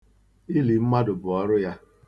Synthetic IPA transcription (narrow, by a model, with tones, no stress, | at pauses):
ɪ˦li˨m̩˦ma˦dʊ˨bʊ˨ɔ˦ɾʊ˦ja˦